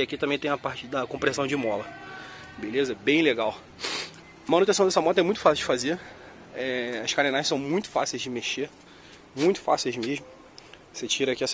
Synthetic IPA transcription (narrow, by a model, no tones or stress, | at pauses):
akit̪ɐ̃mẽt̪ẽj̃ɐpaɾt͡ʃɪd̪ɐkõmpɾẽsɐ̃w̃d͡ʒɪmɔlɐ | belezɐɛbẽj̃leɡaw | mɐ̃nut̪ẽsɐ̃d̪ɛsɐmɔt̪ɐɛmũj̃t̪ʊfasiwd͡ʒɪfaze | ɛɐʃkanẽnajʃsɐ̃w̃mũj̃t̪ʊ̥fa̰sejzd͡ʒɪmeʃe | mũj̃t̪ʊ̥fa̰sejzmeʒmʊ | set͡ʃiɾɐkiɛs